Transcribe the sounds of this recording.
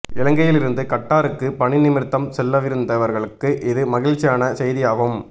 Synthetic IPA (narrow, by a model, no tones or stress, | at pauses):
ɪlɐŋɡɐjɪlɪɾɯnd̪ɯkɐʈːaːɾɯkːɯpɐɳɪnɪmɪɾt̪ːɐmsɛlːɐʋɪɾɯnd̪ɐʋɐɾɣɐɭɯkːɯʔɪðɯmɐɣɪɻt͡ʃːɪjaːnɐsɛjðɪjaːʋɯm